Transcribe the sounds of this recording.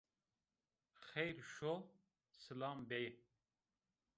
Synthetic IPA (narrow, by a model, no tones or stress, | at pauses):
xejɾʃo | səlaːmbeje